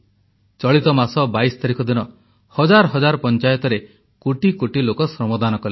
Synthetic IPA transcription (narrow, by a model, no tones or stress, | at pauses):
t͡ʃɔɭit̪ɔmasɔbaisɔ̥t̪aɾikɔd̪inɔ | hɔd͡ʒaɾɔɦɔd͡ʒaɾɔpɔnt͡ʃajɔt̪ɔɾe | koʈikoʈilokɔsɔmɔd̪anɔkɔle